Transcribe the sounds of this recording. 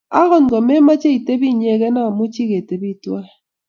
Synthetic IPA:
a˦ɣɔ˨n˨ɡɔ˨me˦ma˦t͡ʃe˦i˨te˦bi˦˨ɲe˦˨ɣɛ˦na˦˨mu˦t͡ʃi˦ɣe˨te˨bi˦˨twa˦˨

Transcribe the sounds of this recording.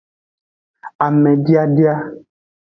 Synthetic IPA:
a˨mɛ̃˨ɖi˦a˦ɖi˦a˦

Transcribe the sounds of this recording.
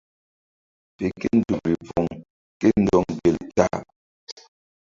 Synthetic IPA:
pe˨ke˦n̩˨du˨bi˨vɔ˨ŋ | ke˦n̩˨dɔ˦˨ŋbe˨lta̰˦˨

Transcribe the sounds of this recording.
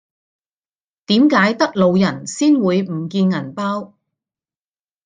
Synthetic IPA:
t̪iː˨˥mkaː˨˥jt̪ɐ˥k̚lo˨˧wjɐ˨˩nsiː˥nwuː˨˧jm̩˨˩kiː˧nŋɐ˨˩npaː˥w

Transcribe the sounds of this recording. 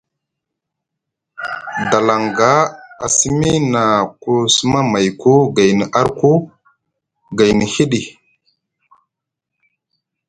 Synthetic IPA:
da˨la˨ŋɡa˦a̰˨si˦mi˦na˨ku˦su˦ma˦ma˨jku˦ɡa˨jni˨ʔa˦ɾku˦ | ɡa˨jni˨hi˦ɗi˨

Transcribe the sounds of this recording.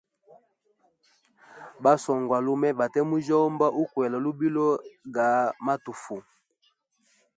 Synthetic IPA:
ba˦sɔ˨ŋɡwa˨lu˦mɛ˦ba˨tɛ˦mu˦d͡ʒɔ˦mba˦ʔu˦kwɛ˨lɔ˨lu˦bi˦lɔ˦ɡa˨ma˦tu˨fu˨

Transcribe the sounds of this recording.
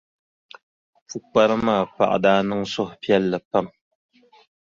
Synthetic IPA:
fu˦k͡pa˦ɾɨ˦maː˦˨pa̰˨ʔdaː˦nɨ˦ŋsɔ˦hpjɛ˦lːə˨pa˦˨m

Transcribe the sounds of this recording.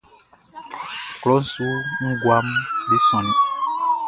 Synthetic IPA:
klɔ˨˦n̩˨˦su˦ŋ̩˦ɡwa˦mbe˦sɔ̃˨ni˦

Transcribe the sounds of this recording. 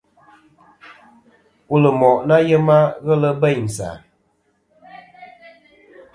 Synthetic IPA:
u˨lə˨mɔ˨ʔna˦jə˦ma˦ɣə˦lə˦bə˦˨n̩˨sa̰˨

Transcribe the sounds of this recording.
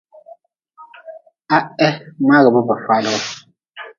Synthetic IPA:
a˦ɛ˦ma˦ɣə˨bɔ˦bə˨fa˦lə˦ɣɔ˦

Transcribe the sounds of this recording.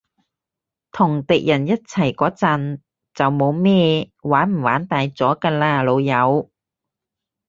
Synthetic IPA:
t̪ʰʊ˨˩ŋt̪ɪ˨k̚jɐ˨˩njɐ˥t̚t͡sʰɐ˨˩jkɔː˨˥t͡sɐ˨n | t͡sɐ˨wmo˨˧wmɛː˥ | waː˨˥nm̩˨˩waː˨˥nt̪aː˨˧jt͡sɔː˨˥kaː˧laː˧lo˨˧wjɐ˨˧w

